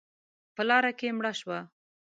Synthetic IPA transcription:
pəlɑɾakemɽaʃwa

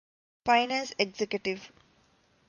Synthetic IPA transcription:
faɪnẽseɡsekjuʈiʋ

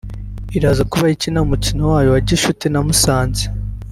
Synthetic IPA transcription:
iɾazakuβaicinaumucinowaːjowaɟiʃutinamusaːnze

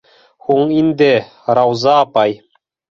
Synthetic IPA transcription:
huɴind̪ɘ | ɾɑwzɑːpɑj

